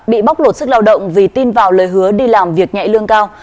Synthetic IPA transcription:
ɓḭ˧˨ɓa˦˥wk͡p̚lo˧˩t̚sɨ˦˥k̚laː˧wɗə̰˧˨wŋ͡mvi˨˩t̪i˧nvaː˨˩wləː˨˩jɦɨ˨˦əɗi˧laː˨˩mvi˨˩ək̚ɲa̰˧˨jlɨ˧əŋkaː˧w

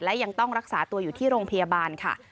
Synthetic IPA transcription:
lɛ˦˥ja˧ŋt̪ɔ˥˩ŋɾa˦˥k̚saː˩˦t̪u˧ɐjuː˨˩t̪ʰiː˥˩ɾoː˧ŋpʰa˧ja˧baː˧nkʰa̰˥˩

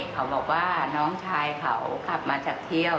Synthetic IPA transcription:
kʰa˩˦wbɔː˨˩k̚waː˥˩nɔː˦˥ŋt͡ɕʰaː˧jkʰa˩˦wkla˨˩p̚maː˧t͡ɕaː˨˩k̚t̪ʰi˥˩əw

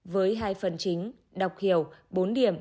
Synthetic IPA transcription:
vəː˨˦jɦaː˧jfə˨˩nt͡ɕï˨˦ŋ̟ | ɗə˨˩wk͡p̚hi˧˩əwɓo˨˦nɗi˧˩˨əm

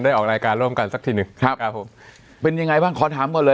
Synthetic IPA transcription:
ndaː˥˩jʔɔː˨˩k̚ɾaː˧jkaː˧nɾu˥˩əmka˧nsa˨˩kt̪ʰiː˧˩nɯ˨˩ŋkʰa˦˥p̚ɾa˦˥pʰːo˩˦m | pe˧nja˧ŋa˧jbaː˥˩ŋkʰɔː˩˦t̪ʰaː˩˦mkɔː˨˩lɤː˧

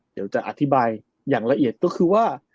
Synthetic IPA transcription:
d̪i˩˦wt͡ɕa˨˩ʔa̰˨˩t̪ʰi˦˥baː˧j | jaː˨˩ŋla˧ʔi˨˩ət̪̚kɔː˥˩kʰɯː˧waː˥˩

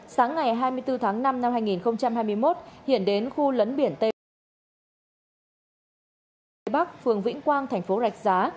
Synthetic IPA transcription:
saː˨˦ŋːa˨˩jɦaː˧jmɨ˧ət̪ɨ˧t̪ʰaː˨˦ŋna˧mna˧mhaː˧jŋi˨˩nxə˧wŋ͡mt͡ɕa˧mhaː˧jmɨ˧əjmo˦˥t̚hḭ˧˨ənɗe˨˦nxu˧lə˨˦nɓi˧˩ənt̪e˧˨˦ | jɓa˦˥k̚fɨ˨˩əŋvḭ˧˥ŋkwaː˧nt̪ʰɛ˨˩jŋ̟fo˨˦za˨˩jk̟̚zaː˨˦

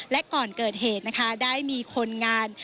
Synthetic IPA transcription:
lɛ˦˥ʔkɔː˨˩nkɤː˨˩t̪̚ɦeː˨˩t̪̚na˦˥kʰa˦˥daː˥˩jmiː˧kʰo˧nŋaː˧n

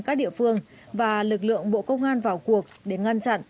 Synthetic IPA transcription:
kaː˦˥k̚ɗḭ˧˨əfɨ˧əŋ | vaː˨˩lɨ˨˩k̚lɨ̰˧˨əŋɓo̰˧˨kə˧wŋ͡mʔaː˧nvaː˨˩wku˨˩ək̚ɗe˨˩ŋa˧nt͡ɕa̰˧˨nʔ

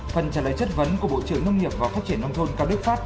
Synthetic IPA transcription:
fə˨˩nt͡ɕaː˧˩la̰ː˧˨jt͡ɕə˦˥t̚və˨˦nku˧˩əɓo̰˧˨t͡ɕɨ˧˩əŋnə˧wŋi˨˩əp̚vaː˨˩faː˦˥t͡ɕi˧˩ənːa˧wŋ͡mt̪ʰo˧nkaː˧w̚ɗɨ˦˥ət̚faː˦˥t̚

